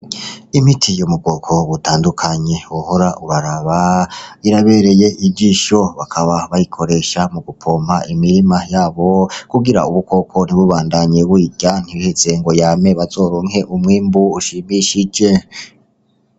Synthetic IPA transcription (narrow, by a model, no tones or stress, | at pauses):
imitʰijomub̚ɡokʰo̞βutʰaːndukʰaɲe̞wohoɾaʔuβaɾaβaiɾaβe̞ɾe̞je̞ʔibɟiːʃo̞βakʰaβaβajikʰo̞ɾe̞ːʃamuɡupʰoːmaʔimiɾimajaːβo̞kuɡiɾa̰uβukʰo̞kʰo̞n̥iβuβaːndaɲe̞βuiɟjan̥ihet͡se̞ŋɡo̞jaːme̞βazo̞ɾoːŋhe̞ʔumŋiːmbuuʃimiʃid͡ʒe̞